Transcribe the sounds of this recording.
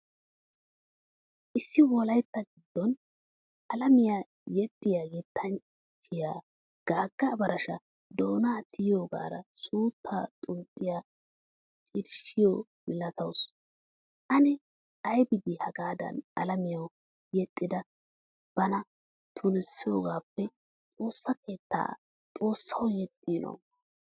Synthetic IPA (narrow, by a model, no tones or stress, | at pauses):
ʔɪsːɪwɔlɐjt̪ːɐɡɪd̪̥ːɔn | ʔɐlɐmɪjaː | jɛt̪ʼːɪjaːɡit̪ʰːɐn | t͡ʃʰːɪjaː | ɡ̥aːɡːɐbɐɾɐʃɐ | d̪oːnaːt̪ʰɪjjoːɡa̰ːɾɐ̰suːt̪ʰːaːt̪ʼʊnt̪ʼːɪjaː | t͡ʃʼɪɾʃɪjo | mɪlɐt̪ɐws | ʔɐnɛ | ɐjbɪd̪ɪhɐɡaːd̪ɐ̰nɐ̰lɐmɪjɐw | jɛt̪ʼːɪd̪ɐ | b̥ɐnɐ | t̪ʰʊnɪsːɪjo̞ːɡaːpːɛ | t͡sʼo̞ːsːɐke̞ːt̪ːa̰ː | t͡sʼo̞ːsːɐwjɛt̪ʼːino̰w